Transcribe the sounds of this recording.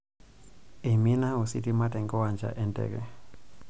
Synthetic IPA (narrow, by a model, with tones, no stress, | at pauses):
e˨mi˦na˦u˨sḭ˦ti˦ma˦tɛ˨ŋɡɔ˦wa˨nd͡ʒa̰ʔɛ˦ndɛ̰ɡɛ̰˨